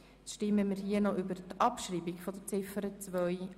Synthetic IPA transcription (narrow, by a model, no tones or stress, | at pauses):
ʃtɪməmiːɾɦiənɔʔybəɾtʔɑpʃɾiːbiɡfɔd̪ət͡sɪfəɾət͡sʋœj